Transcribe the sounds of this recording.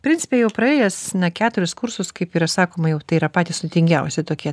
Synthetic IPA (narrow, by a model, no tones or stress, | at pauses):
pʲɾʲɪnʲt͡sʲɪ̥pʲeːjɛʊpɾɐeːjɛsnɐkʲæːt̪ʊɾʲɪskʊrsʊskɐɪpiːɾɐsɑːkoːmɐjɛʊt̪ɐɪiːɾɐpɑːt̪ʲisʲt̪ʲɪŋʲɡʲɛʊsʲɪt̪oːkʲiɛ